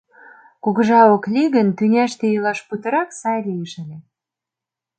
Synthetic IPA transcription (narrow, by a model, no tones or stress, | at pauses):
kuɣə̆ʒɑoklʲiɣə̆nt̪ynʲæʃt̪ĕjɤlɑʃput̪ə̆ɾɑksɑjlʲijəʃə̆lʲe